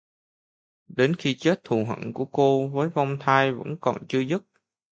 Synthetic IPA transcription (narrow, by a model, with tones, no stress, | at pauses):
ɗe˨˦nxi˧t͡ɕe˦˥t̚t̪ʰu˨˩ɦwə̰˧˨nku˧˩əko˧vəː˨˦jvɔ˧wŋ͡mt̪ʰaː˧jvə̰˧˥nkɔ˨˩nt͡ɕɨ˧əzɨ˦˥t̚